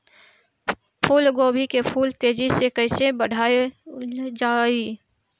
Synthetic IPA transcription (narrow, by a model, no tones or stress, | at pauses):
pʰuːlɡoːbʱikepʰuːlt̪eːd͡ʒisekəɪsebəɽ̤ʱaːe | d͡ʒaːi